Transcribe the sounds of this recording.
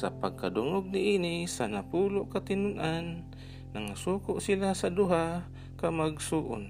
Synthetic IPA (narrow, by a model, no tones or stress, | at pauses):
sapaɡ̚kad̪ʊŋʊɡ̚nɪʔiːnisanapuːlʊʔkat̪ɪnʊnʔanː | aŋasuːkʊʔsilasad̪uɦa | kamaɡsuːʔʊ̰n